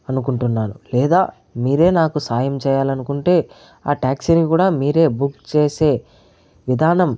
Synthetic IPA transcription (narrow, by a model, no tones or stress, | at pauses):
ɐnukuɳʈunːaːnulɛːd̪aː | miːɾe̞ːnaːkusaːjɐmt͡ʃɛːjaːlɐnukuɳʈe̞ː | aːʈaːksinikuːɽaːmiːɾe̞ːbukt͡ʃeːse̞ː | ʋid̪ʱaːnɐm